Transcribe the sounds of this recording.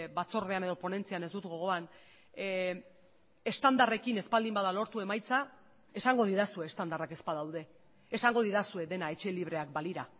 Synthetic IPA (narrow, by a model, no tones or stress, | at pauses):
bat͡so̞ɾðe̞ane̞ð̞o̞po̞ne̞nt͡siane̞zd̪ut̪ɡo̞ɣ̞o̞an | e̞st̪and̪are̞kine̞spald̪imbaðalo̞ɾt̪ue̞majt͡sa | e̞saŋɡo̞ð̞iɾasue̞ːst̪and̪arake̞spaðawðe̞ː | saŋɡo̞ð̞iðasue̞ðe̞nae̞t͡ʃe̞liβ̞ɾe̞akbaliɾa